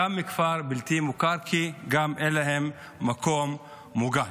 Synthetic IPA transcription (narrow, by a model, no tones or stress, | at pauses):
amikfaɾbilt̪imukaɾkʰiɡamʔeleɦemː | akomː | uɡa